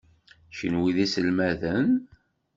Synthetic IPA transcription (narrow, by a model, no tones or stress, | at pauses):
ʃə̰nwiðisəlmæðən